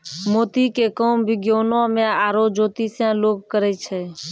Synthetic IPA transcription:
moːt̪ikekoːmbʱɪɡjoːnõːmẽaːɾoːd͡ʒoːt̪isjãːloːɡ̚kəɾɛt͡ʃʰɛː

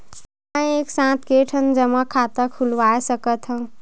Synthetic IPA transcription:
aeksãt̪keʈʰənd͡zəməkʰat̪əkʰulʋajsəkət̪ɦə̃

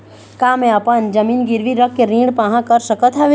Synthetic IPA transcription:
kaːmẽɐpənd͡ʒɐmiːnɡɪɾʋiɾəkːeɾĩːɽpãːɦãkəɾsəkət̪ʰaʋ

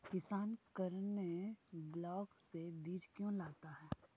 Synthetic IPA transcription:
pɪsaːnkəɾneblɔːksebiːɾkjõlaːɡt̪aɦɛː

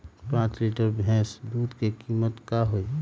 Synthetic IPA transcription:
pãːt͡ʃliːʈəɾbʱɛ̃ːsd̪uːd̪kekiːmət̪kaɦoi

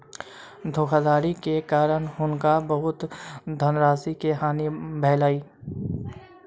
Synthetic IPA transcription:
d̪ʱoːkʰad̪aːɾikekaːɾəñɦʊnkabəɦʊt̪d̪ʱənɾaːsikeɦaːnibʱɛːlaːiː

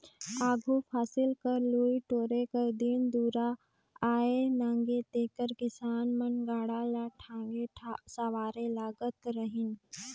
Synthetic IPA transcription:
aːɡʱupʰaːsɪlkəɾluːiʈoːɾekəd̪ɪnd̪uːɾa | aːenãːŋɡet̪eːkəɾkɪsaːnmənɡaːɽalaʈʰãːŋɡeʈʰasaʋaːɾelaːɡət̪ɾəɦɪn

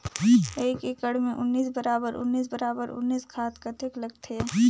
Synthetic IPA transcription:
eːkekəɽmẽʔʊnːiːsbəɾaːbəɾʊ̰nːiːsbəɾaːbəɾʊ̰nːiːskʰaːt̪kat̪ʰɪklɐɡt̪ʰeɦɛː

